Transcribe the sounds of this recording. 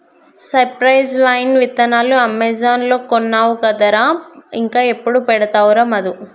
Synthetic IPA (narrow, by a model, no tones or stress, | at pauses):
sɐɾpɾɐjzʋɐjnʋit̪ːɐnaːluɐmːɛzaːnloːkonːaːwuɡɐd̪ɐɾaːiŋkaːe̞pːuɽupɛɽɐt̪aːwɾɐmɐd̪u